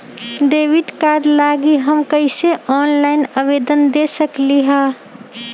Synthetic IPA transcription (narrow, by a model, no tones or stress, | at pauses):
ɖ̪eːʋɪʈkaːɾɖlaːɡiɦəmkəɪseʔɔːnlaːɪnəʋeːd̪ənd̪esəkliɦɛ̃ː